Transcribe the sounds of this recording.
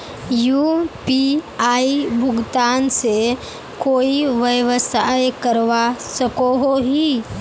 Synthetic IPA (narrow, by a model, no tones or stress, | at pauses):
jupiaibʱʊɡt̪anse | koːiʋəjʋəsajkəɾʋasəkoɦoɦi